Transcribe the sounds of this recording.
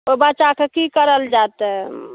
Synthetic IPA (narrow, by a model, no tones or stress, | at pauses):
obət͡ʃakekikəɾəld͡ʒat̪ɛ